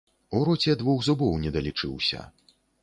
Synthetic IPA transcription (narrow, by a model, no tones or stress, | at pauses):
uɾɔt͡sʲɛd̪vɔxzubɔwnʲɛd̪ɐlʲit͡ʂɨwsʲɐ̰